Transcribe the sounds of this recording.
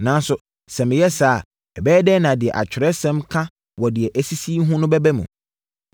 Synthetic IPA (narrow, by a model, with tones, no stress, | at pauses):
nã˨n˦sʊ˨ | sɛ̃˨m̃˨˦jɛ˦saː˦˨ | ɛ˨bɛː˦dɛː˦nã˨dɪ˨ɛ̰˨ʔa̰˨t͡ɕᶣɪ˨ɾɛ˦sɛ̃˦mkʰã˦ | wɔ˨dɪ˨ɛ˨ʔæ˨si˦si˦ɦʊ̃˦nʊ̃˦bɛ˦bæ˦mṵ̃˨